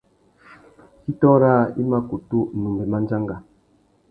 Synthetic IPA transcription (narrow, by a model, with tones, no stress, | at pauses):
ki˦tɔ˦ɾa˦i˦ma˦ku˨tu˦˨nu˨mbɛ˨ma˦n˦d͡ʒa˦ŋɡa˨